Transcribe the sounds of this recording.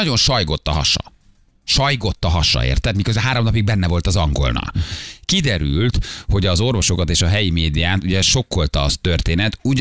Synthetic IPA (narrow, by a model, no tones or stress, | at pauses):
ɒɟo̞nʃɒjɡo̞t̪ːɒɦɒ̰ʃɒ̰ | ʃɒjɡo̞t̪ːɒɦɒʃɒ̰ḛːrt̪ɛt̪mikøzbɛaːɾo̞mnɒpiɡ̚bɛnːɛvolt̪ɒzɒŋɡo̞̰lnɒ̰lkid̪ɛɾylt̪ho̞ɟɒzo̞rvo̞ʃo̞kɒt̪eːʃɒɦɛjimeːd̪ijaːt̪uɟɛʃo̞kːo̞lt̪ɒt̪ø̞rt̪eːnɛt̪uɟ